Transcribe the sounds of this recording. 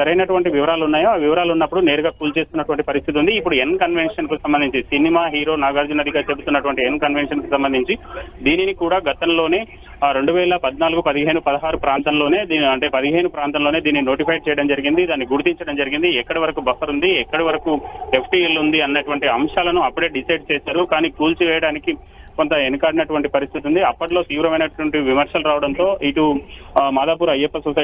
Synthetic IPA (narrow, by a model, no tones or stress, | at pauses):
sɐɾɐjnɐʈuʋɐɳʈiʋiʋɐɾaːlunːaːjoaːʋiʋɐɾaːlunːɐpːuɽune̞ːɾuɡaːkuːlt͡ʃe̞ːst̪unːɐʈuʋɐɳʈipɐɾist̪ʰit̪iund̪iːpːuɽuenkɐnʋe̞nʂɐnkisɐmbɐnd̪iɲt͡ʃisinimaːɦiːɾo̞ːnaːɡaːɾd͡ʒunɐd̪ʱikaːɾt͡ʃe̞but̪unːɐʈuʋɐɳʈienkɐnʋenʂɐnkisɐmbɐnd̪ʱiɲt͡ʃid̪iːninikuːɽaːɡɐt̪ɐmlo̞ːne̞ː | ɾe̞ɳɖuʋɛːlɐpɐd̪naːluɡupɐd̪iɦeːnupɐd̪ɐɦaːɾupɾaːnt̪ɐmlo̞ːne̞ːd̪iɐɳʈe̞ːpɐd̪iɦeːnupɾaːnt̪ɐmlo̞ːne̞ːd̪iːnːino̞ːʈipʰɐj̚t͡ʃɛːjɐɽɐmd͡ʒɐɾiɡind̪id̪aːnːiɡuɾut̪iɲt͡ʃɐɽɐmd͡ʒɐɾiɡind̪iɛkːɐɽɐʋɐɾɐkubɐfɐɾund̪iɛkːɐɽɐʋɐɾɐkuepʰʈiːelund̪iɐnːɐʈuʋɐɳʈiɐmʂaːlɐnuɐpːuɽe̞ːɖisɐjɖ̚t͡ʃɛːsaːɾukaːniːkuːlt͡ʃiʋɛːjɐɽaːniki | ko̞nt̪ɐenkaːɖinɐʈuʋɐɳʈipɐɾist̪ʰit̪und̪iɐpːɐʈlo̞ːt̪iːʋɾɐmɐjnɐʈuʋɐɳʈiʋimɐɾʂɐluɾaːʋɐɽɐnt̪o̞ːʔiʈumaːd̪aːpuːɾɐjepːɐsosɐ